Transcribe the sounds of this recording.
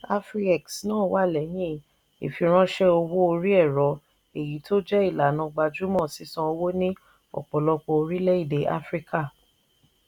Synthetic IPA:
a˦fɾi˦ɛ˨ksnãː˨˦˨wa˦˨lɛ˨j̃ĩ˦ | ḛ˨fi˧ɾ̃ã˦ʃɛ˦o˧wo˦o˧ɾi˦ɛ˦˨ɾɔ˨˦ | e˨ji˨˦to˦d͡ʒɛ˦i˦˨la˨nã˧ɡ͡ba˧d͡ʒu˦mɔ̃˦˨si˨˦sã˦o˧wo˦nĩ˦ | ɔ̰˨k͡pɔ˨lɔ˧k͡pɔ˧o˧ɾi˦lɛ˦i˦˨de˨˦ʔa̰˦fɾi˦ka˦˨

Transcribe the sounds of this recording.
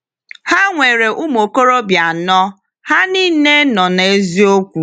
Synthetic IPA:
ha˦ŋʷe˨ɾe˨ʔu˦m˨o˨ko˦ɾo˦bja˨nɔ˦ | ha˦niː˦ne˦nɔ˨n˨e˦zi˦o˦kʷu˨

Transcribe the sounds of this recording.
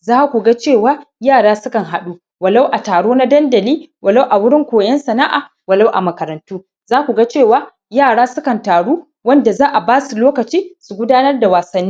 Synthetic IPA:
zaː˦kʷu˨ɡa˦t͡ʃeː˦˨waː˦jaː˦˨ɽaː˦sʊ˦kɐ˨ŋɦa˨ɗu˦ | wɐ˨la˦wʔa˨taː˨ɽoː˦na˦dɐ˦ndɐ˨liː˦wɐ˨la˦wʔa˨wʊ˦ɽɪ˦ŋkʷoː˨jɐ˦nsɐ˨na˦ʔa̰ː˨ | wɐ˨la˦wʔa˨mɐ˨kɐ˨ɾɐ˨ntuː˦ | zaː˦kʷu˨ɡa˦t͡ʃeː˦˨waː˦ | jaː˦˨ɽaː˦sʊ˦kɐ˨ntaː˨ɽuː˦ | wɐ˦nda˨zaː˦ʔa˨baː˦su˨loː˦kɐ˨t͡ʃiː˦su˨ɡʷʊ˦daː˦nɐ˦rda˨waː˨sɐ˦nːi˦

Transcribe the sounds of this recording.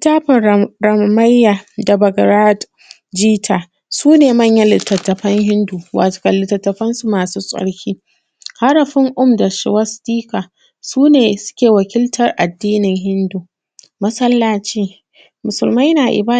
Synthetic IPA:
taː˦ɸɐ˨ɾɐ˨mma˦jːaː˨da˨bɐ˨ɡɾaː˦d | d͡ʒiː˦tʰaː˨ | suː˦neː˨mɐ˦˨ɲjɐ˦lɪ˨tːɐ˨tːɐ˨ɸɐ˦ŋɦɪ˦nduː˨wa̰ː˨toː˨kɐ˨lɪ˨tɐ˨tːɐ˨ɸɐ˦nsu˦maː˨suː˦sʼɐ̰˦ɽkʲʰiː˦ | ha˦ɽɐ˨ɸɪ˦ŋʔʊ˦mda˨ʃɪ̰˨wɐ˦stiː˦kaː˨ | suː˦neː˨sʊ̥˦kʲeː˨wɐ˨kʲɪ˦ltʰɐ˨rʔa˨dːiː˦nɪ˨ŋɦɪ˦nduː˨ | mɐ˦sɐ˦lːaː˨t͡ʃeː˦ | mʊ˨sʊ˨lma˦jnaː˨ʔɪ̰˨baː˦

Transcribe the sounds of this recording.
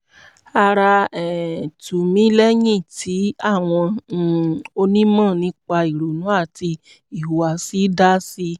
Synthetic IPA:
a˧ɾa˧ɛ˨tu˨mĩ˨˦lɛ˦jĩ˦˨tʰi˨˦a˦˨w̃ɔ̃˧˨ | o˧nĩ˦mɔ̃˦˨nĩ˧˦k͡pa˧i˨ɾo˨nũ˨˦a˦˨ti˧ | i˨wa˨si˨˦da˦si˧

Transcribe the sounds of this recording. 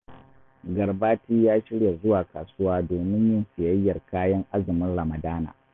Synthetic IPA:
ɡɐ˨rbaː˦tiː˦jaː˦ʃɪ˦ɽja˨zʊ˦waː˨kaː˨sʊ˦waː˦doː˨mɪ˦ɲjɪ˦nsɪ˨jɐ˦jːɐ˨rkaː˦jɐ˦ŋʔa˦zɪ˨mɪ˦nɽɐ˨mɐ˨daː˦na̰ː˨

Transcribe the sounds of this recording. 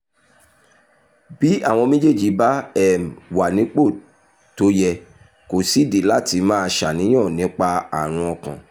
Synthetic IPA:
bi˦a˦˨w̃ɔ̃˧mĩ˦d͡ʒe˦˨d͡ʒi˨˦ba˦ɛ˦˨m˨wa˨nĩ˨˦k͡po˦˨ | to˨˦jɛ˧ | ko˨si˨˦˨de˨la˦˨ti˧mãː˦˧ʃa˨nĩ˨˦j̃ã˦˨nĩ˨˦k͡pa˧a̰˨ɾ̃ũ˧ɔ˧kã̰˨

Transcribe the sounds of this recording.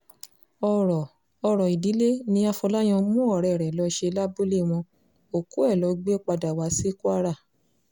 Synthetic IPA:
ɔ˧˨ɾ | ɔ˧ɾɔ˨i˨di˨˦le˦nĩ˧a˧fɔ˧la˦j̃ɔ̃˧mũ˦ɔ˦˨ɾɛ˨ɾɛ˨lɔ˨˧˦ʃe˧la˦bu˦le˦˨w̃ɔ̃˧ | o˨ku˨˦ɛ˦˨lɔ˨˦ɡ͡be˦k͡pa˧da˨wa˨˦si˦ku˦a˦ɾa˦˨

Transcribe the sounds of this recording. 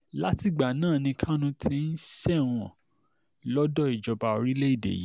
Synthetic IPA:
la˦ti˧ɡ͡ba˨nãː˦˨nĩ˧kʰã˦nũ˧tʰi˦n̩˦sɛ̃˦˨ɔ̰̃˨ | lɔ˦dɔ˦˨i˨d͡ʒɔ˧ba˧o˧ɾi˦le˦i˦˨dḛ˨ji˨˦

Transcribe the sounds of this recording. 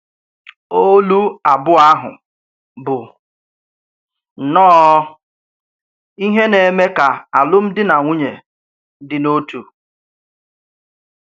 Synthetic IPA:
o˦lu˦a˨bʊ˦a˦ɦʊ̰˨ | bʊ˨ | nɔː˦ | i˦ɦe˦ne˨me˦ka˨a˨lʊ˦m̩˦dɪ˦na˨ŋʷu˦ɲe˨ | dɪ˦no˦tu˨

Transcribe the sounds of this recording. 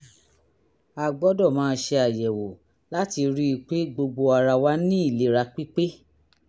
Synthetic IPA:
a˨ɡ͡bɔ˨˦dɔ˦˨mãː˦˧˦ʃe˧a˨jɛ˨wo˨ | la˦ti˧ɾi˦i˧˨k͡pe˦ɡ͡bo˧ɡ͡bo˧a˧ɾa˧wa˦nĩ˦i˦˨le˨˦ɾa˧k͡pi˦k͡pe˦

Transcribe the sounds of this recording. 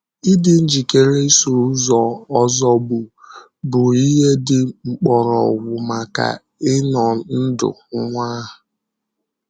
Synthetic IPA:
i˦dɪ˨n̩˦d͡ʒi˨ke˦ɾe˦so˨ɾʊ˦zɔ˨ɔ˦zɔ˦bʊ˨ | bʊ˨i˦ɦe˦dɪ˨ŋ͡m̩˨k͡pɔ˨ɾɔ̰˨wʊ˨ma˨ka̰˨ | ɪ˦nɔ˨˦n̩˦dʊ̰˨˦ŋʷa˦ɦʊ˨

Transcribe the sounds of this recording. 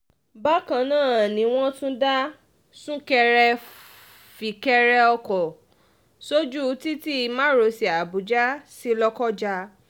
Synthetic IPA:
ba˦kã˧nãː˦˨nĩ˨˦w̃ɔ̃˦tũ˦da˦ | sũ˦kɛ˧ɾɛ˧ | fi˨kɛ˧ɾɛ˧ɔ˧kɔ˨ | so˦d͡ʒu˦˧˦ti˦ti˦˧˦mã˦ɾo˨˦si˨a˨bu˨˦d͡ʒa˦si˦lɔ˦kɔ˦d͡ʒa˧

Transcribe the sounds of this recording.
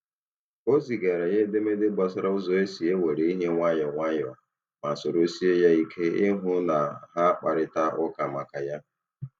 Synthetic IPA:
o˦zi˨ɡa˨ɾa˨ɲe˦de˦me˦dɪ˦ɡ͡ba˦sa˦ɾa˦ʊ˦zɔ˨e˦si˨e˦we˨ɾe˨i˦ɦe˦ŋʷa˦jɔ˨ŋʷa˦jɔ˨ | ma˨so˨ɾo˦si˦e˦ja˦i˦kʰe˦ɪ˦ɦʊ˦na˨ɦa˦a˦k͡pa˨ɾɪ˨ta˦ʊ˦ka˨ma˨ka˨ja˦

